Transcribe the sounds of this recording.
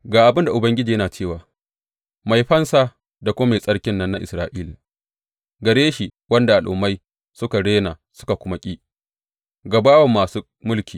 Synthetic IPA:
ɡaː˨ʔa˨bɪ˦nda˨ʔʊ˨bɐ˦ŋɡʲɪ˦d͡ʒiː˨jɐ˦naː˨t͡ʃeː˦˨waː˨ | ma˨jɸɐ˦nsaː˦ | da˨kʷoː˦ma˨sʼɐ˦ɽkʲɪ˦nːɐ˦nːa˦ʔɪ̰˨sɾaː˦ʔiː˦la˨ | ɡɐ˨ɽeː˦ʃi˨wɐ˦nda˨ʔa˨lʔʊ̰˨ma˦j | sʊ˦ka˨ɽeː˦na˨sʊ̥˦ka˨kʷʊ˦ma˦kʲʼiː˦ | ɡa˨baː˦wɐ˨mːaː˨suː˦ | mʊ˦lkʲiː˨

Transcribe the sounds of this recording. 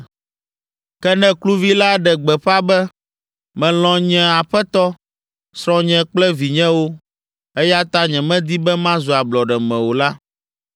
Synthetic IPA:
kɛ˦nɛ̃˦klu˦vi˦la˦ɖɛ˨ɡ͡bɛ˨ɸa˦bɛ˦ | mɛ̃˨l̃ɔ̃˨ɲɛ̃˦a˨ɸɛ˦t̪ɔ˦ | sɾɔ̃˦ɲɛ̃˦k͡plɛ˦vi˨ɲɛ̃˦wo˦ | ɛ˦ja˦t̪a˦ɲɛ̃˨mɛ̃˦d̪i˦bɛ˦mã˦zu˨a˨blɔ˨ɖɛ˨mɛ̃˨wo˨la˦

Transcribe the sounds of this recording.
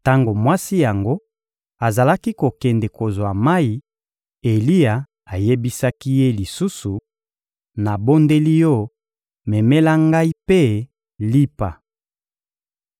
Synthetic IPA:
ta˦ŋɡo˨mwa˦si˦ja˨ŋɡo˦ | a˨za˨la˦ki˦ko˨kɛ˨nde˨ko˨zwa˨ma˦i˦ | e˨li˦a˨ | a˨je˦bi˦sa˦ki˦je˦li˨su˦su˨ | na˨bo˦nde˦li˦jɔ˦˨ | me˨me˦la˦ŋɡa˦i˦pe˦ | li˦pa̰˨

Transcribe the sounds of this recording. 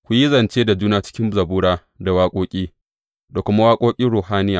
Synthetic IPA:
kʷu˨ji˦zɐ˨nt͡ʃeː˦da˨d͡ʒuː˦naː˨t͡ʃɪ̥˦kʲɪ˦mzɐ˨buː˦ɽaː˦ | da˨waː˦kʷʼoː˦kʲʼiː˦ | da˨kʷʊ˦ma˦waː˦kʷʼoː˦kʲʼɪ˦nɽuː˨haː˦nɪ˦jaː˨

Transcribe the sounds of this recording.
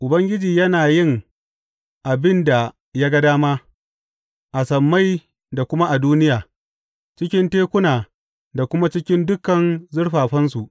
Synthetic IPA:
ʔʊ˨bɐ˦ŋɡʲɪ˦d͡ʒiː˨jɐ˦naː˨jɪ˦ŋ | ʔa˨bɪ˦nda˨ | jaː˦ɡa˦daː˦maː˦ | ʔa˨sɐ˨mːa˦j | da˨kʷʊ˦ma˦ʔa˨duː˦nɪ˦jaː˨ | t͡ʃɪ˦kʲɪ˦nteː˦kʷʊ˦naː˨ | da˨kʷʊ˦ma˦t͡ʃɪ˦kʲɪ˦ndʊ˦kɐ˨nzʊ˦ɽɸaː˨ɸɐ˦nsu˨ʔ

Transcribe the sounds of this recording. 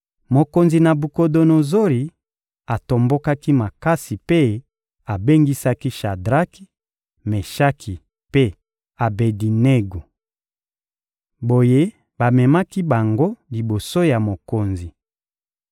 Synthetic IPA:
mo˨ko˨nzi˨na˨bu˨ko˨do˨no˨zo˦li˨ | a˨to˨mbo˦ka˦ki˦ma˨ka˦si˨pe˦ | a˨be˦ŋɡi˦sa˦ki˦ʃa˨dʁa˦ki̥˦ | me˨ʃa˦kʰi˨ | pe˦ | a˨be˨di˨ne˦ɡo˨ | bo˨je˦ | ba˨mɛ˨ma˦ki˦ba˨ŋɡo˦li˨bo˨so˦ja˨mo˨ko˨nzi˨

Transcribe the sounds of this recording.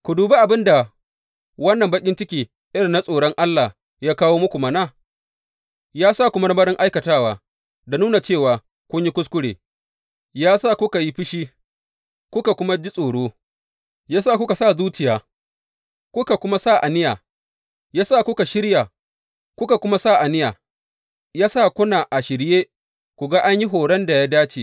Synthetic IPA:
kʷʊ˨duː˨be˦ʔa˨bɪ˦nda˨ | wɐ˦nːɐ˨mbɐ˦kʲʼɪ˦nt͡ʃɪ˦kʲiː˨ | ʔɪ˦ɽɪ˨nːa˦sʼoː˨ɽɔ˦ŋʔa˦lːa˨ | jaː˦kaː˦woː˦mʊ˦kʷu˨mɐ˦naː˦˨ | jaː˦sa˦˨kʷʊ˦mɐ˦ɾɐ˦mɐ˦ɽɪ˦ŋʔa˦jkɐ˨taː˦waː˨ | da˨nuː˦na˨t͡ʃeː˦˨waː˨ | kʷʊ˦ɲji˦kʷʊ˦skʷʊ˦ɽeː˨ | jaː˦sa˦˨kʷʊ˦ka˨ji˦ɸɪ˦ʃiː˦ | kʷʊ˦ka˨kʷʊ˦ma˦d͡ʒi˦sʼoː˨ɽoː˦ | jaː˦saː˦˨kʷʊ˦ka˨sa˦˨zuː˦t͡ʃɪ˨jaː˨ | kʷʊ˦ka˨kʷʊ˦ma˦sa˦˨ʔa˨nɪ˦jaː˨ | jaː˦sa˦˨kʷʊ˦ka˨ʃɪ˦ɽja˨ | kʷʊ˦ka˨kʷʊ˦ma˦sa˦˨ʔa˨nɪ˦jaː˨ | jaː˦saː˦˨kʷʊ˦na˨ʔa˨ʃɪ˨ɽjeː˦ | kʷu˨ɡa˦ʔa˦ɲji˦ɦoː˨ɽɛ˦nda˨jaː˦daː˦t͡ʃeː˨

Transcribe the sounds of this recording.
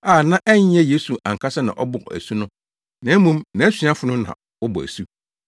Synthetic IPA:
aː˨nã˦ʔɛ˦ɲ˦ɛ̃˦je˦su˨ʔã˨ŋ̩˨kʰa˦sɛ˦nã̰˨ʔɔ˦bʊ˨æ̰˨su˦nʊ̃˦ | nã˨˦mũ˦mnã˨˦sĩ˨˦a˦fʊ˨nʊ̃˦nã̰˨ | wʊ˦bɔ̰˨æ̰˨su˦

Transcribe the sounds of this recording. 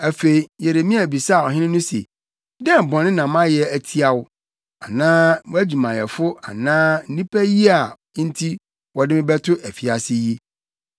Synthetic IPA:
æ˨fe˨i˨jɛ˨ɾe˨mĩ˦æ˨bi˨sa˦˨ɔ˨ɦɪ̃˦nɪ̃˦nʊ̃˦sḛ˨ | dɛ̃˦m̩˨bɔ̃˨nɪ̃˦nã˨mã˦jɛ˦æ˨tʰi˦a˨wʊ˦ | a˨nãː˦æ˦d͡ʑu˨mã˨jɛ˨fʊ˦a˨nãː˦n̩˦nĩ˦pʰæ˦ji˦a˨˦ | n̩˦tʰi˦ | wɔ˨dɪ˦mɪ̃˦bɛ˦tʰʊ˦ʔæ˨fi˨a˨sɪ˦ji˦

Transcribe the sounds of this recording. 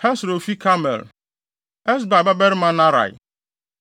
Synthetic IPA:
hɛ˦sɾo˨fi˦kʰa˦mɛ̰˨l | ɛ˦s̬ba˨ba˦bɛ˦ɾmã˦na˦ɾa̰˨j̰

